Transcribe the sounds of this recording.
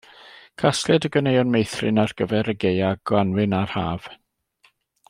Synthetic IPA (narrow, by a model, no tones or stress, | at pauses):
kʰaslɛdəɡənejɔnmejθrɪnarɡ̥əvɛɾəɡejaɡ̥wanwɪnarhaːv̥